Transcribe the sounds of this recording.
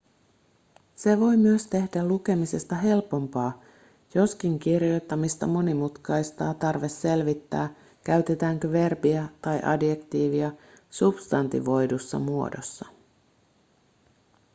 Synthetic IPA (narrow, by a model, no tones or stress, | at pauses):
se̞ʋo̞jmyøst̪e̞hdæluk̟e̞mise̞st̪ɑɦe̞lpo̞mpɑː | jo̞skiŋkirjo̞t̪ːɑmist̪ɑmo̞nimut̪kɑjst̪ɑːt̪ɑrʋe̞sːe̞lʋit̪ːæ̰ː | kæɥt̪e̞t̪æːŋkøʋe̞rbiæt̪ɑjʔɑ̰dje̞kt̪iːʋiɑ | sub̥st̪ɑnt̪ḭʋo̞jdusːɑ̰muo̞̰do̞̰sːɑ